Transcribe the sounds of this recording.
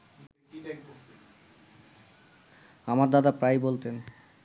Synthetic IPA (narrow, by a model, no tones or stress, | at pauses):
amaɾd̪ad̪apɾajbolt̪en